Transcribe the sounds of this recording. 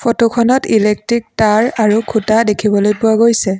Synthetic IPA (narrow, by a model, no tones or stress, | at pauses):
pʰɔtokʰɔnɔtilek̚tɹik̚taɹaɹukʰutadekʰibɔlojpʊwaɡojsɛ